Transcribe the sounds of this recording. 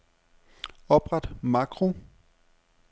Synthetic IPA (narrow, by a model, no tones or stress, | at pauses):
ɒb̥ʁad̥mɑ̈ɡ̥ʰʁo̝